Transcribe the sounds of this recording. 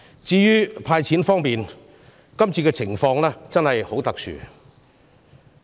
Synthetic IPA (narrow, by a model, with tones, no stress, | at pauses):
t͡siː˧ɥyː˥pʰaː˧jt͡sʰiː˨˥nfɔː˥ŋpiː˨n | kɐ˥mt͡sʰiː˧kɛː˧t͡sʰɪ˨˩ŋfɔː˧ŋlɛː˥t͡sɐ˥nhɐ˨jho˨˥wt̪ɐ˨k̚sʰy̰ː˨˩